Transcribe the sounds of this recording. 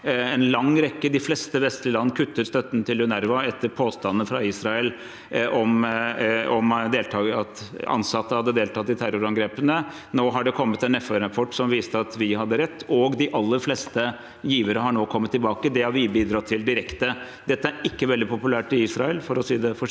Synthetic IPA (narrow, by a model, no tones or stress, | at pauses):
ɛnlɑŋːɾɛkːəd̪ɪflɛːst̪əʋɛst̪lɪlɑnːəkʰʉt̪ːəɾst̪œt̪ːənt̪ʰɪlʉnæɾʋɑɛt̪ːəɾpʰoːst̪ɑnːnfɾɑiːsɾɑɛl | ɔm | ɔmd̪eːlt̪ʰɑːɑt̪ɑ̰nsɑt̪ːəhɑd̪ːəd̪eːlt̪ʰɑt̪ːɪt̪ʰæɾʊɾɑŋɡɾeːpənə | noːɦɑɖɛkʰɔmːət̪ɛnɛfɑɾɑpʰɔʈːsɔmʋiːst̪əɑt̪ʋɪhɑd̪ːəɾɛt̪ːɔɡd̪ɪʔɑlːəɾflɛːst̪ə | jiːʋəɾəɦɑɳoːkʰɔmːət̪ːɪlbɑːkəd̪ɛhɑʋɪbiːd̪ɾɑt̪ʰːɪld̪ɪɾɛkt̪ə | d̪̥ɛt̪ːəæɾɪkːəʋɛld̪ɪpʊpʉlæːʈɪiːsɾɑɛlfɔɾɔsiːd̪ɛfɔ